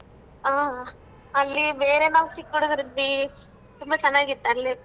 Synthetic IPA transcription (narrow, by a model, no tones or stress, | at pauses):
aː | ɐlːibe̞ːɾenaːʋsikːoɽuɡiɾid̪ːi | t̪umbɐt͡ʃɐnːaːɡit̪ːelːi